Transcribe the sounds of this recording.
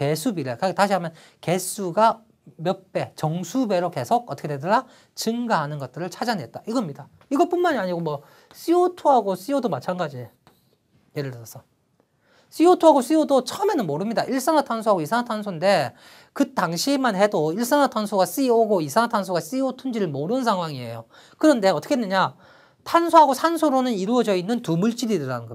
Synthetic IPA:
ke̞sʰubiɾekataɕʰiɦamjʌn | ke̞s͈ʰuɡa | mjʌp͈e̞t͡ɕʌŋsʰube̞ɾoke̞sʰoɡ̚ʔʌtʰʌkʰetedɯɾa | t͡ɕɯŋɡaɦanɯnɡʌt̚t͈ɯɾɯɭt͡ɕʰad͡ʑanɦet̚t͈aiɡʌmɲida | iɡʌɭpunmaɲiaɲiɡomwʌ | siotʰoɦaɡos͈iodomat͡ɕʰanɡad͡ʑi | jeɾɯɭdɯsʌs͈ʰʌ | s͈iotʰoɦaɡos͈iodot͡ɕʰʌʌme̞nɯnmoɾɯmɲidaʔiɭs͈aŋatʰansʰoaɡoisʰaŋatʰansʰonde̞ | kɯt͈aŋɕʰimanhe̞doiɭs͈aŋatʰansʰoɡas͈ioɡoisʰaŋɦatʰansʰoɡas͈iotʰund͡ʑiɾɯɭmoɾɯnsʰaŋɦwaŋie̞̰jo | kɯɾʌnde̞ʌt͈ʰʌkʰenːɯɲa | tʰansʰoɦaɡosʰansʰuɾonɯniɾuʌd͡ʑʌinːɯntumuɭt͡ɕ͈iɾidɯɾanɯnɡʌ

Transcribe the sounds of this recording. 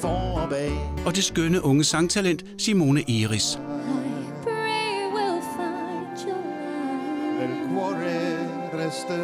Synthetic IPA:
fɔabeɒ̽de̝sɡ̥ønəʔɔ̽ŋəsɑ̈ŋt͡sʰælen̰d̥simo̝ːnəʔiːʁisaɪpɹeɪwɪlˠfaɪd͡ʒo | enkʰwɔɾe | ɾɛstə

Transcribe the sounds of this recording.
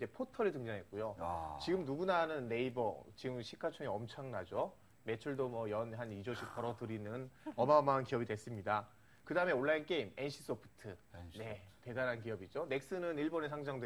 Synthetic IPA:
d͡ʑe̞pʰotʰʌɾitɯŋd͡ʑaŋɦe̞t̚k͈ujot͡ɕiɡɯmnuɡunanɯnːe̞ibʌ̰t͡ɕiɡɯmɕʰikʰat͡ɕʰoŋeʌmt͡ɕʰaŋnad͡ʑo | me̞t͡ɕʰuɭdomʌjʌnɦanid͡ʑoɕʰik̚p͈ʌɾʌdɯɾinɯnʌmamankiʌbidwes͈ɯmɲida | kɯdaɯme̞oɭːaink͈e̞ime̞nɕʰi̥s͈opʰɯ̥tʰɯne̞te̞daɾɦank̬ijʌbid͡ʑone̞k̚s͈ɯnɯniɭbonesʰaŋd͡ʑaŋdw

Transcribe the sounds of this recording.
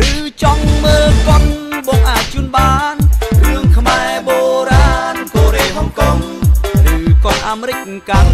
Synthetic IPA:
rɨːt͡ɕɑŋməːllkonɓɑŋʔaːc̚t͡ɕuənɓaːnrɨəŋkʰmaɛɓoːɾaːnkoːɾeːɓɑŋkoŋ | rɨːkonʔaːmeɾɨc̚ | kan

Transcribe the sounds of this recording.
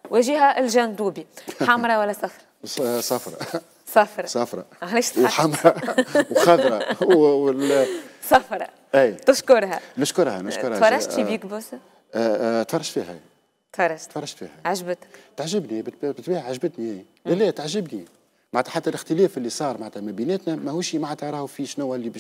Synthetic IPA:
wæʒiːɦæʔlʒænd̪uːbiħamɾˤɑwælːæsɑfɾˤɑsˤɑfɾˤɑ̰ | sɑfɾˤɑsˤɑfɾˤɑ̰ʕaʕleːʃwħamɾˤɑwxɑðɾˤɑ | sɑfɾˤɑ̰ | ʔæjt̪ɪʃkʊɾˤhɛ̰nʊʃkʊɾˤhɛnʊʃʊɾˤhfɑɾˤːɑʃt̪fibiːkbus | t̪fɑrˤːɑʃfiːhɛ̰ | t̪fɑɾˤɑʃt̪fɑɾˤːɑʃt̪fḭhɛʕaʒbt̪ət̪aʕʒɪbnihæb̪̚bɪt̪biːhʕaʒbət̪niæj | ælæt̪aʕʒɪbni | maʕt̪æħat̪ːælɪxt̪əlɛːfɪlːisˤɑːɾˤmaʕt̪hæmæbinæt̪nɛmæhuʃimaʕat̪ɑɾˤɑhfiʃnʊwæʔlːib

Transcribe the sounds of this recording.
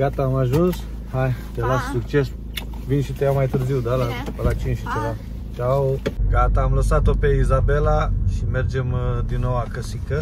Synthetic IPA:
ɡ̥at̪aːmaʒuns | hajt̪alasːukt͡ʃes | vinʃit̪ejamajt̪ɨɾziwd̪alapəlat͡ʃinʃit͡ʃeva | t͡ʃawɡat̪aːmləsat̪opeizabelaʃimerd͡ʒemd̪inːowakəsikə

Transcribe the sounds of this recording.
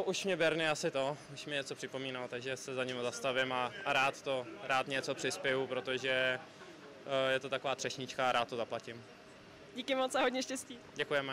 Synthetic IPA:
ʔuʃmɲɛbjɛɾnɪasɪt̪ouʃmɪɲɛt͡sopr̝̥ɪpo̞miːnalt̪aɡʒɛsɛzaɲɪmazast̪avɪmaaɾaːt̪t̪o̞ɾaːt̪ɲɛt͡so̞pr̥ɪspɛjupɾot̪o̞ʒɛ | jɛt̪ot̪akovaːt̪r̥ɛʃɲɪt͡ʃkaːɾaːt̪ːozaplacɪm | ɟiːkɪmot͡saɦodɲɛʃcɛsciːɟɛkujɛmɛ

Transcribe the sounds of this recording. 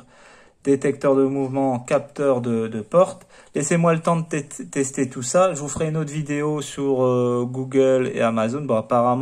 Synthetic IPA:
d̪et̪ɛk̚t̪œʁd̪əmuvmɑ̃kʲap̚t̪œʁd̪əd̪əpɔʁt̪ | lɛsemwalət̪ɑ̃d̪ət̪ɛt̪ɛst̪et̪usaʒəvufəʁɛynot̪χvid̪eosyʁøɡuɡʲəlḛamazonbɔ̃apaʁam

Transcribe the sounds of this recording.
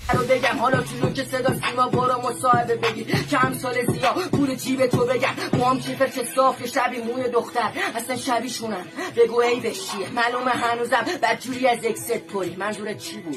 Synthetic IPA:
ɾobe̞ɟæmɦɒlɒt̪ʰunocʰesed̪ɒːsiːmɒboɾɒmosɒːhe̞be̞be̞ɟiːd̪cʰeæmsɒːlezijɒːpʰuːlet̪ʰiːbet̪ʰobe̞ɟæmmɒːmt͡ʃʰifeɾkʰesɒːft̪eʃæbiːmuːjed̪oxt̪æɾæslænʃæbiːʃunæb̥e̞ɡuejbeʃiːmæloːmeɦænuːzæmbæd̪̚d͡ʒuːɾiːæzjecsed̪̚pʰoɾiːmænzuːɾet̪̚t͡ʃʰiːbuːd̪

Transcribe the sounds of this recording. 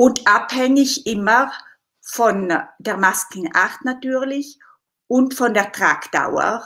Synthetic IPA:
ʊntʔaphɛŋɪçʔɪmə | fɔnd̥eːɐmaskn̩ʔa̰ʁtnatyːɐlɪç | ʔʊntfɔndeːɐtʁ̥aːkd̥a̰ʊə̰

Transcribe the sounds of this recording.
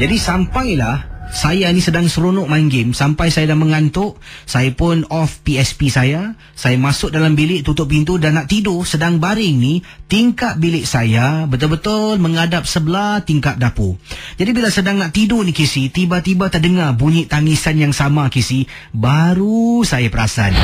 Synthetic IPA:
d͡ʒadisampajlahsajanisədaŋsəɾonʊʔmaŋɡɪmsampajsajadaməŋant̪ʊʔ | sajapʊnɔfpiɛspisaja | sajamasʊk̚dalambilɪʔt̪ut̪ʊʔ̚pint̪̬udanːaʔt̪idosədaŋbaɾɪŋni | t̪iŋkat̪̚bilɪʔsajabət̪ʊlbət̪ʊlməŋadap̚səbəlat̪iŋkap̚dapud͡ʒadibilasədaŋnaʔt̪idonikisit̪ibat̪ibat̪aʔdəŋarbuɲɪʔt̪aŋisanjaŋsamakisi | baɾusajapəɾasa̰n

